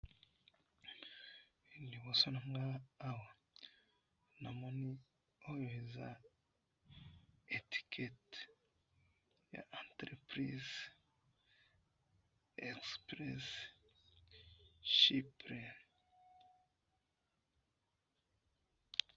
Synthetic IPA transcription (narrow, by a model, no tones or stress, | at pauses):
indiβosonaŋɡaːwa | namoni | ojoheza̰ | eti̥kʰet | ja̰ʔantɾepɾiz | ekspɾes | ʃipɾen